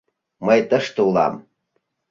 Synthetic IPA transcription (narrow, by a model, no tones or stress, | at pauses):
məjt̪əʃt̪əulɑ̰m